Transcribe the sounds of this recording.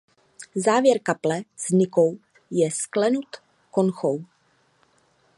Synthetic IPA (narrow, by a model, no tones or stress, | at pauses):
zaːvjɛɾkaplɛz̥ɲɪkow | jɛsklɛnut̪ | konxow